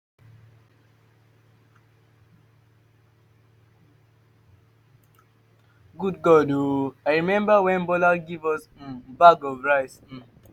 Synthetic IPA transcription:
ɡud̚ɡɔdoajɹimɛ̃mbawɛ̃nbɔlaɡivɔs̩baɡɔvɹaɪs̩

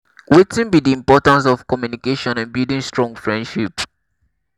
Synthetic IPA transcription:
wetĩnbidiĩmpɔtãns̬ɔfkɔmjunikeʃɔ̃nɛ̃nbildĩŋstɹɔ̃ŋfɹɛ̃ndʃip

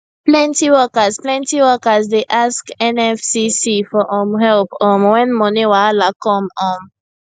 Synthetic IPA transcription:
plɛ̃ntiwɔkəzplɛ̃ntiwɔkəzdeʔaskɛ̃nɛfsisifɔʔɔ̃mɦɛlpɔmwɛ̃nmɔnĩwalakɔ̃mɔm

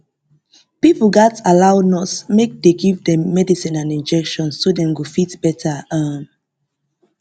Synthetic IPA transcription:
pipl̩ɡatalawnɔsmek̚deɡivdɛ̃mːɛdisĩnãnĩnd͡ʒɛkʃɔ̃nsːodɛ̃nɡufitb̥ɛtʰaãn

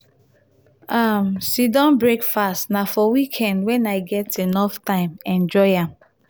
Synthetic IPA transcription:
amsidɔ̃nbɹekfastnafɔwikʰɛ̃ndwɛ̃naɪɡɛtenɔftãɪ̃mɛ̃nd͡ʒɔɪãm

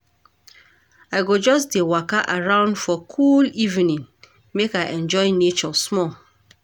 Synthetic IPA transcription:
aɪɡod͡ʒɔs̬dewakaʔaɹãʊ̃ndfɔkʰulivinĩn | mekaɪʔɛ̃nd͡ʒɔɪnet͡ʃɔsmɔl

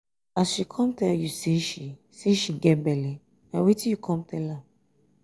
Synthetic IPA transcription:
asʃikʰɔ̃mtɛljuseʃi | seʃiɡɛtbɛli | nawetĩjukʰɔ̃mtɛla

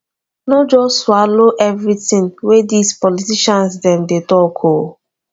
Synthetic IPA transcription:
nɔd͡ʒɔtswaloʔɛvɹitĩnwedispɔlitiʃɔ̃nsdɛ̃mdetɔkʰo

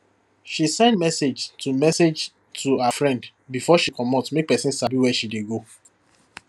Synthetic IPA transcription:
ʃisɛ̃ɪndmɛsed͡ʒtʰumɛsed͡ʒ | tʰuafɹɛ̃nd | bifɔʃikʰɔmɔtsmek̚pɛsĩnsabiwɛʃideɡo

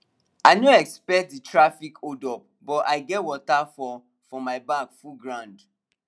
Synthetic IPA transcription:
aɪnoɛkspɛk̚t̚ditʰɹafikʰodɔp̚bɔtaɪɡɛtwɔtafɔ | fɔmaɪbãkfulɡɹãʊ̃nd

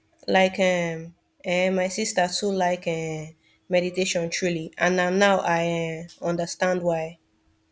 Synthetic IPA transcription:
laɪkɛ̃m | ɛmaɪsistətulaɪkɛ̃ | mɛɾiteʃɔ̃ntʰɹuliʔãnanːaʊʔaɪɛ̃ɔ̃ndəstãndwaɪ

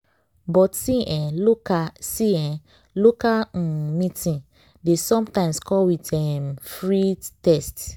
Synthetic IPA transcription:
bɔtsiɛ̃asiɛ̃ | lokamĩtĩn | desɔ̃mtãɪ̃mskɔwitɛmfɹitɛst

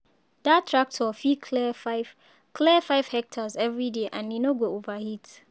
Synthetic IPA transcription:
d̥atʰɹak̚tʰɔfikʰlɛ | kʰlɛfaɪv̥hɛk̚tʰazɛvɹideʔãnːĩnoɡoovahit

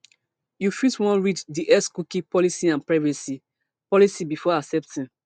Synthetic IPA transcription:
jufiswɔ̃nɹit͡ʃdiʔɛskukĩpɔlisiãnpɹavɛsi | pɔlisibifɔasɛp̚tĩn

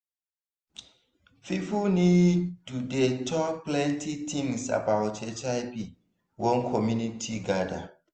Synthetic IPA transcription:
fifunitudetʰɔk̚plɛ̃ntʰit̪ʰĩŋsa̰baʊtʰɛt͡ʃajpi | wɔ̃nkʰɔmjunitʰiɡada̰

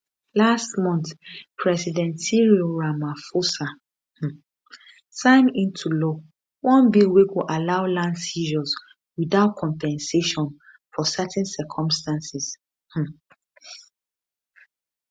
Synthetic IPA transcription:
lastmɔ̃ntpʰɹɛsidɛ̃ntiɹioɹamafosa | h̩ | sãɪ̃mĩntʰulɔ | wɔ̃nbiweɡoʔalaʊlãndsiʒɔz | wiðaʊt̚kʰɔ̃mpɛ̃nseʃɔ̃n | fɔsɛtɛ̃nsɛkʰɔ̃mstãnsis | h̩

